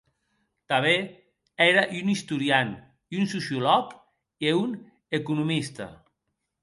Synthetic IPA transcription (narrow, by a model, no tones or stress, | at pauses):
t̪aβe | ɛɾaʔunist̪uɾjan | iunsusjulɔk | eun | ekunumist̪a̰